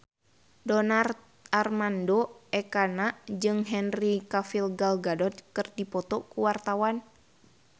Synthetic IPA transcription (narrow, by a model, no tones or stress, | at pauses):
dɔnart̪̚ | armandoʔɛkanaʔd͡ʒɨŋɦɛnrikafilɡalɡadɔt̪̚kɨrdipɔt̪ɔkuwart̪awan